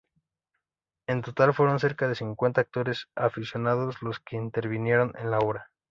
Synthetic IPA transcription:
e̞nt̪o̞t̪alfwe̞ɾo̞nse̞ɾkað̞e̞siŋkwe̞nt̪aːk̚t̪o̞ɾe̞safisjo̞naðo̞zlo̞ske̞int̪e̞ɾβinje̞ɾo̞nḛnlaoɾa

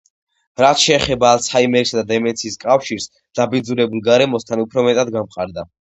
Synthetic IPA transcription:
ɾat̪ʃɛːχɛbaːlˠsʰaimɛɾisad̪ad̪ɛmɛnsʰiːskʼafʃiɾs | d̪̥abid̪zuɾɛbulˠɡaɾɛmɔst̪ʰanupʰɾɔmɛt̪ʼad̪ɡamqʼaɾd̪a

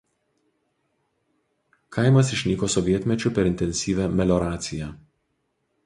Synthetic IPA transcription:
kʰɐɪmɐsɪʃʲnʲiːkoːsɔʋʲiɛt̪ʲmʲɛt͡ʃʲʊpʲɛɾɪnʲt̪ʲɛnʲsʲiːʋʲæmʲɛlʲɔɾɑːt̪sʲɪjæː

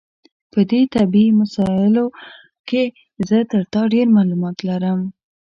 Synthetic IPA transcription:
pəd̪et̪abimasɑɪlo | ke | zət̪əɾt̪ɑɖeɾmalumɑt̪laɾəm

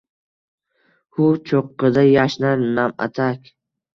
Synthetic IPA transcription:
hʊt͡ʃʰoqːɨd̪ajaʃnaɾnama̰t̪ʰakʲ

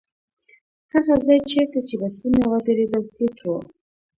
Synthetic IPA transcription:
haɣazɑjt͡ʃeɾt̪at͡ʃebasunawabeɾed̪əlt̪et̪ʰo

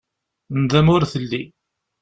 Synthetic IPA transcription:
nd̪æmʊɾθəlːi

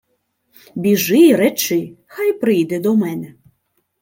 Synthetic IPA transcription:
bʲiʒɪjɾɛt͡ʃɪxajpɾɪjd̪ɛd̪ɔmɛnɛ

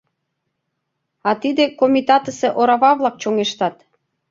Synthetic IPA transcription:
ɑt̪id̪ekomʲit̪ɑt̪əseʔoɾɑβɑβlɑk̚t͡ɕoŋeʃt̪ɑt̪

